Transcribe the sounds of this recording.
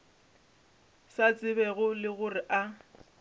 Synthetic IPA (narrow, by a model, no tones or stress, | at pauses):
sat͡sʼɪbɛɣʊlɪɣʊrɪʔa